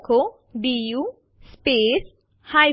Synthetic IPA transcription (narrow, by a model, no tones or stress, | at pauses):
kʰo | ɖiːjuː | speːs | haːj